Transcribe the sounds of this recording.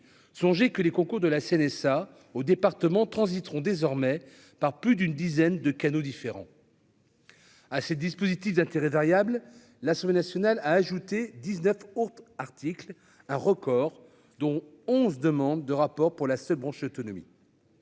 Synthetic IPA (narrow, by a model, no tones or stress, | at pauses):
sɔ̃ʒekəlekɔ̃kuʁd̪əlaseɛnɛsa | od̪epaʁt̪əmɑ̃t̪χɑ̃zit̪ʁɔ̃d̪ezɔʁmɛ | paʁplyd̪ynd̪izɛnd̪əkanod̪ifeʁɑ̰̃ | asɛd̪ispozit̪ifd̪ɛ̃t̪eʁɛvaʁjabl | lasɑ̃blenasjɔnalaːʒut̪ed̪iznœfot̪aʁt̪ikl | ɛ̃ʁəkɔʁ | d̪ɔ̃ | ɔ̃zd̪əmɑ̃d̪ːəʁapɔʁpuʁlasœlbʁɑ̃ʃot̪ɔnɔmḭ